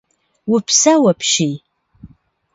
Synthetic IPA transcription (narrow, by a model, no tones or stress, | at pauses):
wʊpʰsɐwɐpʃij